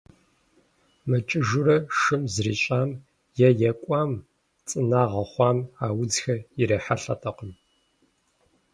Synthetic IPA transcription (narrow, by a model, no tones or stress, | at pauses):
mɨt͡ʃʼɪʒʊrɐʂɨmzrḭːɕʼaːm | jɛjɛkʷʼɑːm | t͡sʼɨnaːʁɐχʷɑːmaːwʊd͡zxɐiɾɐħaɬɐ̰tʰɐqəm